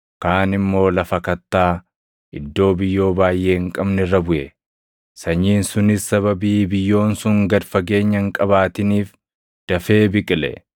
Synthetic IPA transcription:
kaːnɪmːo̞ːlɐfɐkɐt̪ːaː | ʔɪd̪ːo̞ːbɪjːo̞ːbaːjːʔeːŋkʼɐbnɛɪrːɐbʊʔɛ | sɐɲːiːnsʊnɪsːɐβɐbiːbɪjːo̞ːnsʊŋɡɐd̪fɐɡe̞ːɲːɐŋkʼɐβaːt̪ɪniːf | d̪̥ɐfe̞ːbɪkʼɪlɛ̰

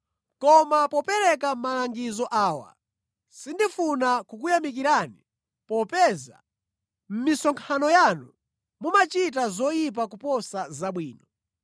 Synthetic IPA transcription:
kɔmapɔpɛɾɛkam̩malaŋɡizɔʔaːwa̰ | sindifunakukujamik̬iɾani | pɔpɛːza̰ | m̩misɔŋkʰanɔjanu | mumat͡ʃit̬azɔjip̬akupɔsazaɓwiːnɔ

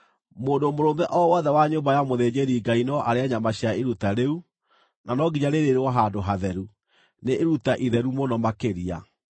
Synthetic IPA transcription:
moːndomoɾoːnðɛʔɔwɔːðɛwaɲoːmbajamoðeːd͡ʑeɾiɡainɔʔaɾeaɲamaɕjaeɾutaɾeu | nanɔɡiɲaɾeɾeɾewɔɦandoɦaðɛɾu | neʔeɾutaʔiðɛɾumonɔmakeɾia

